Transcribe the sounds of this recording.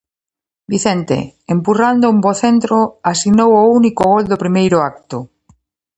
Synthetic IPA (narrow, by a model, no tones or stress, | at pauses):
biθent̪ḛempurand̪oumboθent̪ɾoasinowounikoɣold̪opɾimejɾoak̚t̪o